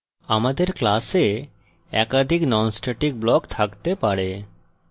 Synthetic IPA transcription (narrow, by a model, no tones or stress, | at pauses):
amad̪eɾklase | ɛ̰kad̪ʱiknɔnsʈaʈik̚blɔkt̪ʰakt̪epaɽe